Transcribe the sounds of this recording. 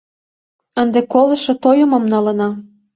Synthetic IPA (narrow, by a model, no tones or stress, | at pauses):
ənd̪ekolɤ̆ʃŏt̪ojə̆mɤ̆mnɑlɤ̆nɑ